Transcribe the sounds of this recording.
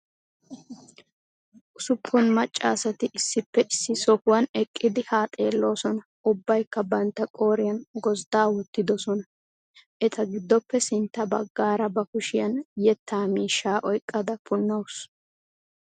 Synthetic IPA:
ʔʊsʊpʰːʊnmɐt͡ʃʼːa̰ːsɐt̪ɪʔɪsːɪpːɛʔɪsːɪsɔkʊwɐnɛkʼːɪd̪ɪhaːt̪ʼe̞ːlːo̞ːsɔnɐ | ʔʊbːɐjkːɐbɐnt̪ːɐkʼo̞ːɾɪjɐnɡɔzd̪aːwʊt̪ːɪd̪ɔsɔnɐ | ʔɛt̪ʰɐɡɪd̪ːɔpːɛsɪnt̪ːɐbɐɡːaːɾɐbɐkʊʃɪjɐnjɛt̪ʰːaːmiːʃːaːʔɔjkʼːɐd̪ɐpʊnːɐwʊs

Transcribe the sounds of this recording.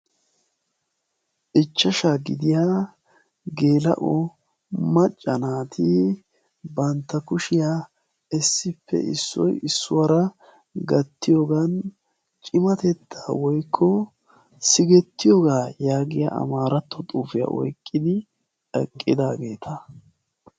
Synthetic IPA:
ʔɪt͡ʃːɐʃaːɡɪd̪ɪjaː | ɡe̞ːlɐ̰ʔɔ | mɐt͡ʃʼːɐnaːt̪ʰi | bɐnt̪ːɐkʊʃɪjaː | ɛsːɪpːɛ̰ʔɪ̰sːɔ̰jɪsːʊwɐɾɐ | ɡɐt̪ːɪjoːɡan | t͡ʃʼɪmɐt̪ɛt̪ʰːḁːwɔjkʰːɔ | sɪɡɛt̪ːɪjoːɡaːjaːɡɪja̰ʔɐ̰maːɾɐt̪ːɔt̪ʼuːfɪja̰ʔɔ̰jkʼːɪd̪ɪ | ɛkʼːɪd̪aːɡe̞ːt̪ʰɐ

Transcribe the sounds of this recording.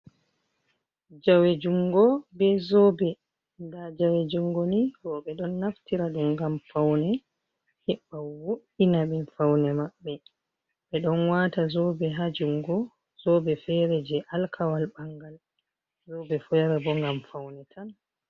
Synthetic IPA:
d͡ʒawed͡ʒuŋɡɔbɛzɔbɛ | ndad͡ʒawed͡ʒuŋɡɔniɡɔɓɛɗɔnːaftiɾaɗumɡamfawnɛ | hɛɓːawoɗinaɓɛnfawnɛmaɓːɛ | ɓɛɗɔnwatazɔbɛɦad͡ʒuŋɡɔ | zɔbɛfɛɾɛd͡ʒɛʔalkʰawalbaŋɡal | zɔbɛfɔjaɾabɔŋɡamfawnɛtʰan

